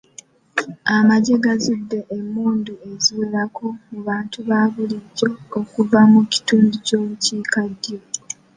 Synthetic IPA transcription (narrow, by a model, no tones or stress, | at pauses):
amaɟeɡazidːe̞ʔemːuːnduezulakʰo̞muβaːntuβaβuliɟoːkuvamuci̥tuːnduco̞ːβuciːkadjo